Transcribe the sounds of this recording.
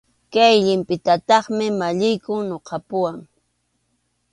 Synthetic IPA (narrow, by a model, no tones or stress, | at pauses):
kajʎɪmpɪt̪at̪ɑχmɪmaʎɪjkʊŋnoqʰɑpʊwaŋ